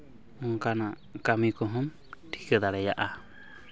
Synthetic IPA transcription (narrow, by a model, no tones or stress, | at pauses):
ɔŋkanaʔ | kamikɔɦɔm | ʈʰi̥kəd̪aɽɛjaʔa